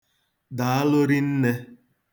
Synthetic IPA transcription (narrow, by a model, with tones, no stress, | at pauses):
da˨a˦lo˦ɾi˦n̩˦ne˦